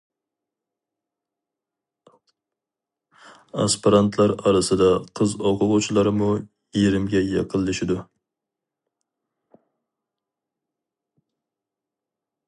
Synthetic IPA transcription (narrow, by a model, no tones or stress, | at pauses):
ɑ̰spɨɾɑnt̪ʰlˠæɾɑɾɨsɨd̪ɛqʰəzoqʰʊʁʊt͡ʃʰilˠɑɾmu | jeɾɪmɡʲɛjɑqʰəlˠːɨʃɪd̪u